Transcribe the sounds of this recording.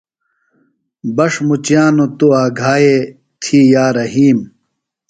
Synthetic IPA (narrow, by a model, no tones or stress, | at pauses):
bɐʂmut͡ɕjaːnot̪oaːɡʱaːje | t̪ʰiːjaːɾɐɦiːm